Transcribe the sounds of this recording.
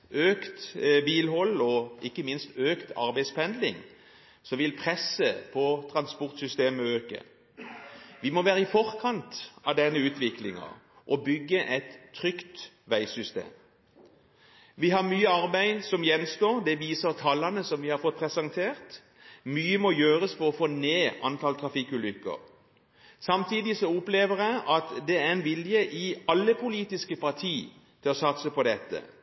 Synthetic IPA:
øːkt̪biːlhɔlːɔʔɪkːəmɪnst̪øːkt̪ʰɑ̰ʁbæɪspɛnd̪lɪ̰ŋ | sɔʋɪlpʰʁɛsəpʰɔt̪ʰʁɑnspɔʁt̪sʏst̪eːməøːkə̰ | ʋɪmɔʋæːɾəɪfɔʁkʰɑnt̪ɑʋd̪ɛnːəʉːt̪ʋɪklɪŋɑ̰ | ʔɔbʏɡːəʔɛt̪ʰːʁʏkt̪ | ʋæɪsʏst̪ḛːm | ʋɪɦɑʁmyːəɑʁbæɪsɔmjɛnst̪oːʁd̪ɛʋiːsəʁt̪ʰɑlːɑnəsɔmʋɪhɑɾfɔt̪̚pʰʁɛsɑŋt̪ʰeːʁt̪ | myːəmɔjøːʁəsfɔɔfoːneːʔɑnt̪ʰɑlt̪ʰʁɑfikʉːlʏkːə̰ʁ | sɑmt̪ʰiːd̪ɪsɔʊpleːʋəʁjæɪʔɑt̪d̪ɛæʁɛnʋɪljəʔɪɑlːəpʰʊliːt̪ɪskəpʰɑʁt̪ʰiː | t̪ʰɪlɔsɑt̪səpɔd̪ɛt̪ːə̰

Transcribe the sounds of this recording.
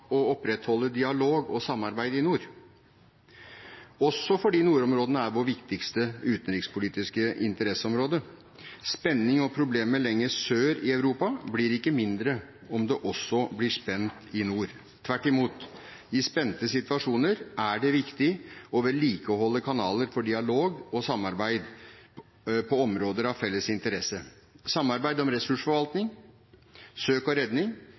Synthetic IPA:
ɔɔpɾɛt̪hɔlːəd̪ɪɑloːɡɔsɑmːɑɾbæɪd̪əɪnuːɾ | ɔsːɔfɔɖiːnuːɾɔmɾoːd̪ənəæɾʋɔɾʋɪkt̪ɪkst̪əʉːt̪ənɾɪkspʊliːt̪ɪskəʔɪ̰nt̪əɾɛsəɔmɾoːd̪ə | spɛnːɪŋɔpʰɾʊbleːməɭɛŋːəsøːɾɪɑʉɾuːpɑblɪɾɪkːəmɪnd̪ɾə | ɔmd̪ɛʔɔsːɔblɪʂpɛnt̪ɪnuːɾ | t̪ʰʋæʈːɪmuːt̪ | ɪspɛnt̪əsɪt̪ʋɑʂuːnəɾʔæɖɛʋɪkt̪ɪɔʋəɭiːkəɦɔlːəkʰɑnɑːləɾfɔɖɪɑloːɡɔsɑmːɑɾbæɪd̪ | pʰɔɔmɾoːd̪əɾɑʋfɛlːəsɪnt̪əɾɛsə | sɑmːɑɾbæɪd̪ɔmɾɛsʉʂfɔɾʋɑlt̪nɪŋ | søːkɔɾɛd̪nɪŋ

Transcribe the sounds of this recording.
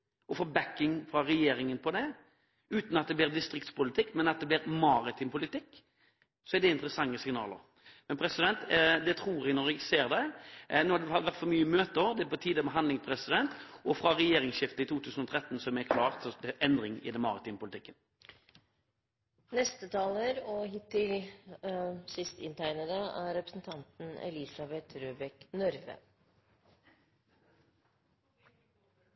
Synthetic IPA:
ɔfɔbækːɪŋfɾɑɾɛjeːɾɪŋənpʰɔd̪ɛ | ʉːt̪nɑt̪̚d̪ɛblɪːʁd̪ɪst̪ɾɪk̚t̪spʊlɪt̪ʰɪkːmɛnɑt̪̚d̪ɛblɪːɾmɑːɾɪt̪ʰɪmpʊlɪt̪ɪkː | sɔɛd̪ɛɪnt̪əɾəsɑŋːəsɪŋnɑ̰ːlə̰ɾ | mɛnpʰɾɛsɪd̪ɛnt̪d̪ɛt̪ʰɾuːɾɛɡnɔɾɛɡseːɾd̪ɛnoːhɑd̪ɛhɑʋæʁt̪fɔmyːəmøːt̪əɔd̪ɛpɔt̪ʰiːd̪əmɛɦɑnlɪŋpʰɾɛsɪd̪ɛnt̪ʔɔfʁɑʁɛjeːʁɪŋsʃɪft̪əit̪ʰuːt̪ʰʉːsən̩ɔt̪ʰʁɛt̪ːn̩sɔmɛkʰlɑːʁt̪ʔɛnd̪ʁɪŋɪ̰d̪ɛnmɑːʁɪt̪ɪːmpʊlɪt̪ɪkːən | nɛst̪ət̪ʰɑːləɾɔhɪt̪ːɪl | sɪst̪ɪ̰nt̪ʰæɪnəd̪əæɾɾɛpɾəsn̩t̪ʰɑnt̪n̩ɛ̰lisɑbɛt̪ɾøːbɛknœɾʋə̰

